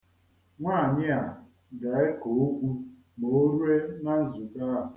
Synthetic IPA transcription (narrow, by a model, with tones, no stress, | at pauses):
ŋʷaː˦˨ɲɪ˦a˨ | ɡa˨e˦ko˨o˦kʷu˦ | mo˨˦ɾu˦e˦na˦zu˨ka˦˨